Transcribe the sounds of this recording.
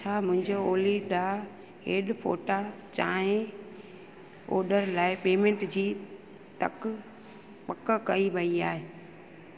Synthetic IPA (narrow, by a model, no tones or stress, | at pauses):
t͡ɕʰaːmʊ̃ɦɪ̃ɲd͡ʑooːliɗaː | ɦeːɗfo̰ːʈat͡ɕãːɦẽ | o̰ːɗəɾlaːɪpeːmẽːɳʈd͡ʑiː | t̪ɐ̰k | pɐkəkɐiʋɐiaːɦeː